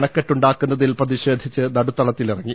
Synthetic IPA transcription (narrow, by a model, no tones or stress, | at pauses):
ɳɐkːeʈːuɳɖaːkːunːɐðilprɐðiɕe̞ːd̪ʱit͡ɕːɨnɐɽut̪ːɐɭɐt̪ːilirɐŋːi